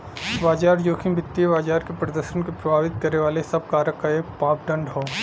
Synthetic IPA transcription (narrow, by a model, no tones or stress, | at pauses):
baːd͡ʒaːɾd͡ʒoːkʰĩmbʱɪt̪ːijebaːd͡ʒaːɾkepɾɐd̪əɾʃənkepɾɐbʱaːʋɪt̪̚kɐɾneʋaːlesɐb̚kaːɾəkːaeːkpaːp̚ɖɐ̃ɳɖɦoː